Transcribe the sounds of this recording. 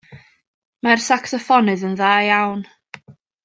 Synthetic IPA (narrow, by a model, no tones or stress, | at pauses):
marsaksɔfɔnɨðənðaːjawn